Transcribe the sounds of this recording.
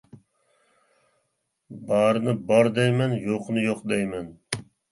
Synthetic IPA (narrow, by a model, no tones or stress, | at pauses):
bɑɾɨnɨbɑɾd̪ɛjmɛnjoqʰnɨjoqd̪ɛjmɛn